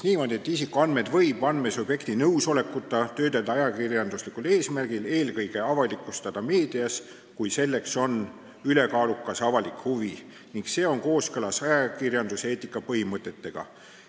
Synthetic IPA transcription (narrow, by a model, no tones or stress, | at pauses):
niːmo̞ːd̪ie̞t̪ːisikːˑoɑnd̪me̞d̪vɤ̞jbɑnmesub̥je̞kt̪inɤwso̞le̞kːˑut̪ːˑɑt̪ø̞ːd̪eld̪ɑɑjɑkirjɑnd̪uslikːˑule̞ːsmærɡ̥ile̞ːlkɤjɡ̥e̞ɑvɑlikːˑust̪ɑd̪̥ɑme̞ːd̪iɑs | kujse̞lːe̞kso̞n | yle̞kɑːlukːˑɑsɑvɑlikhuvi | niŋkse̞ːo̞ŋko̞ːskɤlɑsɑjɑkirjɑnd̪use̞ːt̪ːˑikːˑɑpɤhimɤt̪ːˑe̞t̪ːe̞ɡ̥ɑ̰